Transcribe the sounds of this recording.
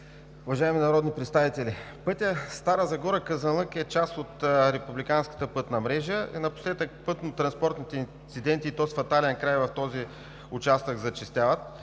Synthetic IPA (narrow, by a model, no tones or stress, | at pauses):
ʊvɐʒaɛminɐɾɔd̪nʲipɾɛt̪st̪avit̪ɛli | pɤt̪ʲəst̪aɾəzɐɡɔɾəkəzɐlˠəkɛt͡ʃast̪ot̪ɾɛpublikanskə̥t̪əpɤt̪nɐmɾɛʒəḭnɐpʊ̥slɛd̪ək̚pɤt̪not̪ːɾɐnspɔɾt̪nit̪ɛin | t̪sid̪ɛnt̪iːt̪ɔsfɐt̪alɛnkɾajvɐft̪ɔzi | ʊt͡ʃast̪əkzɐt͡ʃist̪ʲjavət̪̚